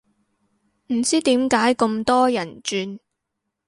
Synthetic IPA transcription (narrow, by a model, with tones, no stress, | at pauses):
m̩˨˩t͡siː˥t̪iː˨˥mkaː˨˥jkʊ˧mt̪ɔː˥jɐ˨˩nt͡ʃyː˧n